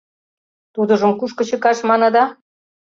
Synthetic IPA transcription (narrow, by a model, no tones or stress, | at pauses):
t̪ud̪ə̆ʒə̆mkuʃkɤ̆t͡ɕə̆kɑʃmɑnɤ̆d̪ɑ